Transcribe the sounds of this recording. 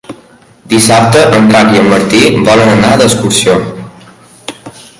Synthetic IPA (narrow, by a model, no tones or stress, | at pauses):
d̪isap̚t̪əʔənraβjəmmːəɾt̪iβɔlənənaðəskuɾsio